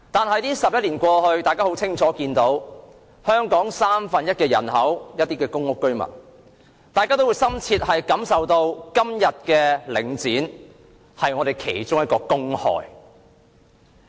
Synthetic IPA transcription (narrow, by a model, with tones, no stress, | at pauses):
t̪aː˨nɦɐ˨˧jt̪iː˥sɐ˨p̚jɐ˥t̚liː˨˩nkʷɔː˧hɵ˧ɥt̪aː˨jkaː˥ho˨˥wt͡sʰɪ˥ŋt͡ʃʰɔː˨˥kiː˧nt̪o˨˥w | hœː˥ŋkɔː˨˥ŋsaː˥mfɐ˨˧njɐ˥t̚kɛː˧jɐ̰˨˩nɦɐ˨˥wjɐ˥t̪̚ːiː˥kɛː˧kʊ˥ŋʊ˥kːɵ˥ɥmɐ̰˨˩n | t̪aː˨kaː˥t̪o˥wu˨˧jsɐ˥mt͡sʰiː˧t̚hɐ˨jkɐ˨˥msɐ˨wt̪o˧wkɐ˥mjɐ˨t̚kɛː˧lɪ˨˩ŋt͡siː˨˥n | hɐ˨jŋɔː˨˧ɾe˨jkʰe˨˩jt͡ʃʊ˥ŋjɐ˥t̚kɔː˧kʊ˥ŋhɔ̰ː˨j